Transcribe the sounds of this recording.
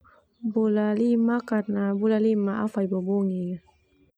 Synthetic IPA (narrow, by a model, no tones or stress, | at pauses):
bulalimakatnabulalimaafajboboŋi